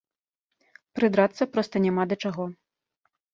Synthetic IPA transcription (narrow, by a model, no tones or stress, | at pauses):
pɾɨd̪ɾat̪sːɐpɾɔst̪ɐnʲɛmad̪ɐt͡ʂaɣɔ